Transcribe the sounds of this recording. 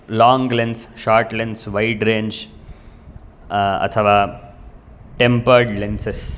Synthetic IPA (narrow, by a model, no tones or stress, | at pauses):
lɔ̃ːŋɡlẽnsʃaːɾʈlẽnsʋaɪʈɾẽːɲd͡ʒ | ɐ̰t̪ʰɐʋaː | ʈẽmpəɾɖlẽnses